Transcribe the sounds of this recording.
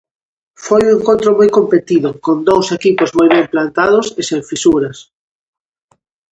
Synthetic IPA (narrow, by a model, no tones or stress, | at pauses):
fojueŋkõnt̪ɾomojkompet̪iðʊkond̪owsekipozmojβemplant̪að̞ʊsɪsẽɱfisuɾɐs